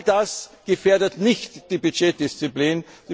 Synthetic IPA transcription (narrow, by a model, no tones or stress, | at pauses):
dasɡ̥əfɛːɐdɐtnɪçtd̥iːbyd͡ʒeːdɪst͡sipliːnd̥i